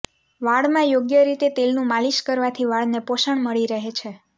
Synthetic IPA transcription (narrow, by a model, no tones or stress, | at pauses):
ʋaɭmãjoɡjəɾit̪et̪elnũmaliʃkəɾʋat̪ʰiʋaɭnepoʃəɳməɭiɾəɦet͡ʃʰe